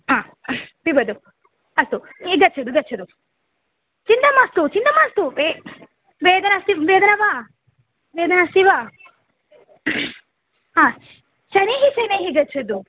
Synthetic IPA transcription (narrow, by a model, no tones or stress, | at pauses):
ɦãː | bibɐd̪u | ɐst̪uiɡɐtt͡ʃʰɐd̪uɡɐt͡ʃʰɐd̪u | t͡ʃind̪ɐmɐst̪ut͡ʃind̪ɐmaːst̪ue | ʋeːd̪ɐnasiʋeːd̪ɐnɐʋa | ʋeːd̪ɐnasiʋa | ɦãː | ʃɐniɦisɐjnɐɦiɡɐt͡ʃʰɐd̪u